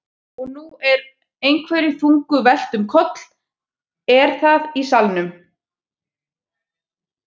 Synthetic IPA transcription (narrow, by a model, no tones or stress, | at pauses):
ɔɣnuɛɾ | ejnkʰvɛːɾifuŋkʏvɛl̥t̪ʏmkʰɔt̪l̥ | ɛɾ̥θaðisalnʏm